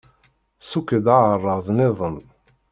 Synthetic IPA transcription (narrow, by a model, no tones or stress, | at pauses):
sukːəd̪aʕərˤːəðˤnɪðˤən